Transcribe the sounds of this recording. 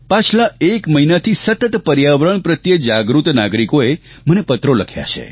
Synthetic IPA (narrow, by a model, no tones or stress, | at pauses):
pat͡ʃʰlaekməinat̪ʰisət̪ət̪pəɾjaʋɾəɳ̃pɾət̪jəd͡ʒaɡɾut̪naɡɾikoe | mənepət̪ɾoləkʰja̰t͡ʃʰḛ